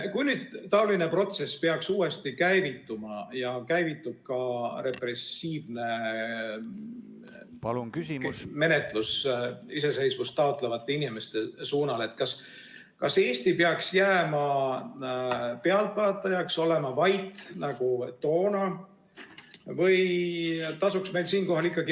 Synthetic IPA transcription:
kujnyːd̪̥t̪ːɑolinepro̞t̪se̞speɑksuːe̞st̪ikæjvit̪ːˑumɑjɑkæjvit̪ːˑub̥̚kɑɾe̞pre̞siːvne̞ | me̞net̪ˑlusise̞se̞jsvust̪ːɑot̪ˑle̞vɑt̪ˑːeinime̞st̪e̞suːnɑle̞t̪̚ːˑkɑs | kɑse̞ːst̪ipeɑksjæːmɑ | peɑlpɑːt̪ːˑɑjɑkso̞lemɑvɑjt̪nɑɡ̥ut̪o̞ːnɑ | vɤj | t̪ɑsuksme̞jlsiːnko̞ɦɑlikːˑɑɡi

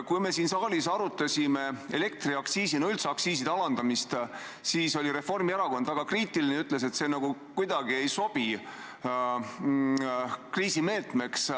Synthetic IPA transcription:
kujme̞siːnsɑːlisɑɾut̪ːˑɑsime̞e̞le̞k̚t̪riɑksiːsinoylt̪seɑksiːs̬id̪ɑlɑnd̪̥ɑmist̪ | siːso̞lʲiɾe̞fo̞rmieɾɑko̞nd̪̥ɑɡ̥ɑkriːt̪ilineyt̪ːˑle̞s̬e̞t̪se̞ːnɑɡ̥ukujd̪̥ɑɡie̞jso̞b̥i | kriːsime̞ːlt̪me̞ks

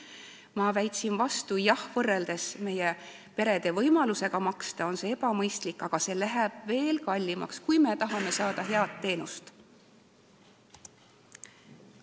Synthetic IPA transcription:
mɑvæjt̪ʲsinvɑst̪ujɑhvɤrːeld̪̥e̞sme̞je | pe̞ɾe̞d̪e̞vɤjmɑluse̞ɡ̥ɑmɑkst̪ɑo̞nse̞e̞b̥ɑmɤjst̪likːɑɡ̥ɑse̞læɦeb̥ve̞ːlkɑlʲːimɑ̰kskujme̞t̪ɑɦɑme̞sɑːd̪̥ɑɦe̞ɑt̪ːe̞ːnust̪

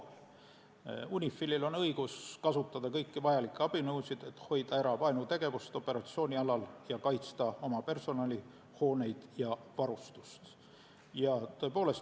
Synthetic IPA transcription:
l | unʲifːˑilʲːilo̞nɤjɡ̥uskɑsut̪ːˑɑd̪̥ɑkɤjkːivɑjɑlikːˑɑb̥inɤwsid̪̥e̞t̪ːˑho̞jd̪̥ɑeɾɑvɑenut̪e̞ɡ̥e̞vust̪o̞pːˑe̞ɾɑt̪sio̞ːnʲiɑlɑljɑkɑjt̪st̪ɑo̞mɑpe̞rso̞nɑlʲi | ho̞ːne̞jd̪̥jɑvɑɾust̪ust̪ | jɑt̪ɤ̞epo̞ːle̞s

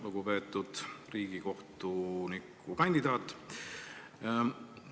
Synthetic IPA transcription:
luɡ̥upe̞ːt̪ːˑud̪̥riːɡ̥iko̞ht̪unikː | ukɑnʲd̪̥id̪ɑːt̪ːˑ

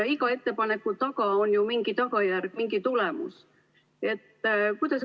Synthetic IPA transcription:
ikɑe̞t̪ːe̞pɑne̞kːˑut̪ɑkɑo̞njumiŋɡ̥it̪ɑkɑjærɡ̥miŋɡit̪ulɛmṵs | e̞t̪ːˑkujd̪̥ɑs

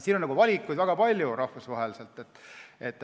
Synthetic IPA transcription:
siːnonːɑɡ̥uvɑlʲikːujd̪væɡ̥ɑpɑlʲjuɾɑhfusvɑɦelise̞lt̪ːˑet̪ːˑe̞t̪ːˑ

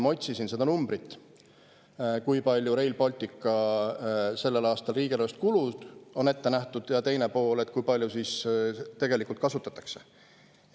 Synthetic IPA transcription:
mot̪ʲsisinsed̪ɑnumbɾit̪ˑː | kujpɑlʲjuɾe̞jlbɑlʲt̪ʲːˑikːˑɑ | se̞lːe̞lɑːst̪ɑlriːɡ̥ilost̪̚kulud̪̥o̞ne̞t̪ːe̞næht̪ud̪̥jɑt̪e̞jnepo̞ːle̞t̪̚ːˑkujpɑlʲjusist̪e̞ɡe̞likult̪kɑsut̪ːˑɑt̪ːˑɑ̥kse̞̥

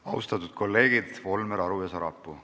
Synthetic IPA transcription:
ɑwst̪ɑt̪ˑud̪̥̚kʰo̞lːe̞ːɡ̥id̪̥vo̞lmeɾɑɾujɑsɑɾɑ̰pːˑu

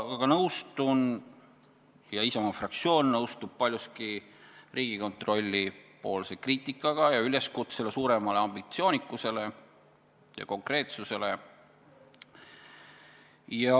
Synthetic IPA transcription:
ɑɡ̥ɑnɤwst̪un | jɑisɑmɑfrɑkt̪sio̞ːnːɤwst̪ub̥̚pɑlʲjuski | rʔiːɡ̥iko̞nt̪ro̞lʲːipo̞ːlse̞kriːt̪ʲːˑikːˑɑɡ̥ɑjɑyle̞skut̪sele̞suːɾe̞mɑleɑmb̥it̪sio̞ːnikːˑuse̞le̞ | jɑ̰ko̞ŋkre̞ːt̪suse̞le̞ | jɑ

